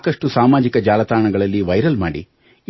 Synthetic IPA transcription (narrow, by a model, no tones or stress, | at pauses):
kɐʂʈusaːmaːd͡ʒikɐd͡ʒaːlɐt̪aːɳɐɡɐɭɐlːiʋɐjɾɐlmaːɽḭ